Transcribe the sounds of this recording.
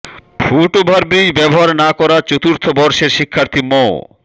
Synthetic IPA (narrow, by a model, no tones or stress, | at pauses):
bʰʱuʈobʱaɾbijbɛboɦaɾnakɔɾaɾt͡ɕot̪uɾt̪ʰobɔɾʃeɾʃikʰːaɾt̪ʰimɔ